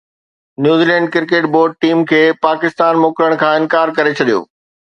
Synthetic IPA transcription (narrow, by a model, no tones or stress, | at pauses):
njuːziːlɛ̃ːɳɖ̚kɪɾkeːʈ̚boːɾɖ̚ʈiːmkʰeːpaːkɪst̪aːnmoːkɾəɽ̃kʰãːɪ̃nkaːɾkɐɾet͡ɕʰɐɗijo̰ː